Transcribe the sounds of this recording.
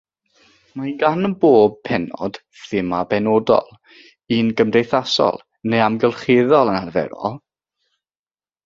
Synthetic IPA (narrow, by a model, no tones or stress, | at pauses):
mahiːnɡanənboːb̚pʰɛnɔ̰d̥ | θɪmabɛnoːdɔ̰lˠ | inɡəmdejθasɔ̰lˠ | nejamɡɛlˠχeðɔlˠənarvɛ̰ɾɔ̰lˠ